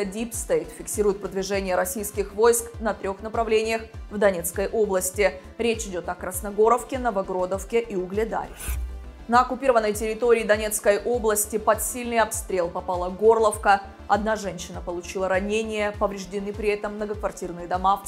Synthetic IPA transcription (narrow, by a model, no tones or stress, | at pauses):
dʲipst̪et̪fʲɪksʲiɾʊjɪt̪̚pɾəd̪vʲɪʐɛnʲɪjəɾɐsʲijskʲɪxvojsknət̪ɾʲo̞xnəpɾɐvlʲenʲɪjəxvd̪ɐnʲe̞t̪skəjʔo̞blˠəsʲtʲɪ | ɾʲet͡ɕɪdʲo̞t̪ɐkɾəsnɐɡo̞ɾəfkʲɪnəvɐɡɾod̪əfkʲɪʔiʊɡlʲɪd̪a̰ɾʲɪ | nəɐkʊpʲiɾəvənːəjtʲɪɾʲɪt̪oɾʲɪːd̪ɐnʲe̞t̪skəjʔo̞blˠəsʲtʲɪpɐt̪sʲilʲnɨjɐpst̪ɾʲe̞lˠpɐpɑlˠəɡo̞rlˠəfkə | ɐd̪naʐɛnʲɕːɪnəpəlˠʊt͡ɕilˠəɾɐnʲenʲɪjəpəvɾʲɪʐdʲɪnɨpɾʲɪɛt̪əmːnəɡəkvɐrtʲirnɨjəd̪ɐma